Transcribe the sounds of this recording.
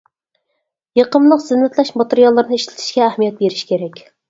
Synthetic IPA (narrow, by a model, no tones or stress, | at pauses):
jɑqəmlˠəqz̥ɪnːɪt̪ʰlɛʃmɑt̪eɾijɑlˠːəɾnɨiʃlɪ̥t̪ʰi̥ʃkʲɛːhmijɛt̪̚beɾiʃkʲʰeɾɛkʲ